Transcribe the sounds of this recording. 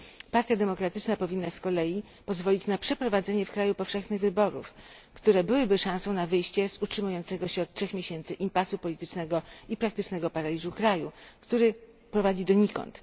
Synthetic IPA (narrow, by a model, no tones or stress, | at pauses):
paɾt̪ʲjad̪ɛmɔkɾat̪ɘt͡ʂnapɔvʲinːaskɔlɛji | pɔzvɔlʲit͡ɕnapʂɛpɾɔvad̪zɛɲɛfkɾajupɔfʂɛxnɘɣvɘbɔɾṵf | kt̪uɾɛbɘwɘbɘʂãsɔ̃w̃navɘjɕt͡ɕɛz̥utʂɘmujɔnt̪sɛɡɔɕɛɔt̪̚tʂɛxmʲjeɕɛnt̪sɘʔimpasupɔlʲit̪ɘt͡ʂnɛɡɔipɾakt̪ɘt͡ʂnɛɡɔpaɾalʲizukɾajukt̪uɾɘ | pɾɔvad͡ʑid̪ɔɲikɔ̰nt̪